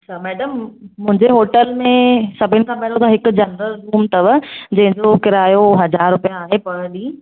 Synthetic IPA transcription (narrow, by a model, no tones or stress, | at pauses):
ɐt͡ɕʰaːmɛːɖəmːʊ̃ɦɪ̃ɲd͡ʑeɦoːʈəlmẽsɐbʱɪnɪ̆kʰãːmɐɦɪlõt̪ʰaɦɪkʊd͡ʑɐndəɾɾuːmt̪ɐʋəd͡ʑɐ̃ɦɪ̃ɲd͡ʑokɪɾaːjoɦɐd͡ʑaːɾːʊpijaːɦepɐɽə̃ɗiː